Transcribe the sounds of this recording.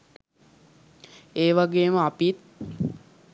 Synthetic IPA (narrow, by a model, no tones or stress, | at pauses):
eːʋaɡeːməapit̪̚